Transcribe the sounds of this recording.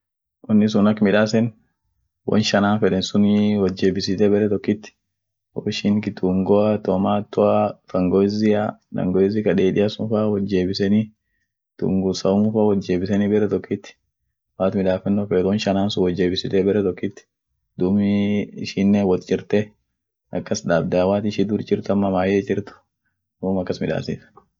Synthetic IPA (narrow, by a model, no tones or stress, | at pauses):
ʔɔnːɪs̬ʊnɐkːmɪᶑaːs̬ɛn | wʔɔ̰nʃɐnaːnfɛᶑɛnsʊnwɐd͡ʒeːbɪsɪt̪ɛbɛɾɛt̪ɔkːɪt̪ːɪ̥ | wɔ̰ʃɪnkɪt̪uŋɡɔɐt̪ɔmaːt̪ːɔat̪ɐŋɡɔɪzɪad̪ɐ̰ŋɡɔɪzɪkɐᶑeːᶑɪjɐsʊnfawɐd͡ʒːeːbɪsɛni | t̪ṵŋɡʊsɐʊmʊfaːwɔd͡ʒeːbɪsɛnibɛɾɛt̪ɔkːɪt̪ːɪ̥ | waːt̪mɪᶑaːfɛnːɔfeːd̪ɔnʃɐnaːnsʊwɔd͡ʒːeːbɪsɪt̪eːbɛɾɛt̪ɔkːɪt̪ːɪ̥ | d̪ʊmɪɪʃinːewɔt̪d͡ʒɪɾt̪ɛ | ɐkːɐsᶑaːbd̪aːwaːt̪ɪʃid̪uɾd͡ʒɪɾt̪ɐmːɐmaːjed͡ʒɪɾt̪ʊ̥ | uːmɐkːɐsmɪᶑa̰ːsɪ̰t̪